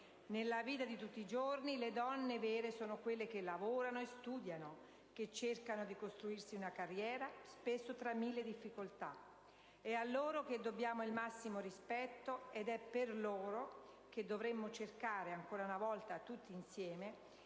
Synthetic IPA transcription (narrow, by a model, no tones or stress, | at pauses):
nelːaviːt̪ad̪it̪ut̪ːid͡ʒorniled̪ɔnːevɛːɾesoːnokwelːekelːavoːɾanoest̪uːd̪jano | k̟et͡ʃːerkanod̪ikost̪ɾuirsiunakarːjɛːɾaspesːot̪ɾamːilːed̪ifːikolt̪a | ɛalːoːɾok̟ed̪ːobjaːmoilmasːimorispɛt̪ːoed̪ɛpːerloːɾo | k̟ed̪ːovɾemːot͡ʃerkaːɾeaŋkoːɾaunavɔlt̪at̪ut̪ːiːnsjɛːme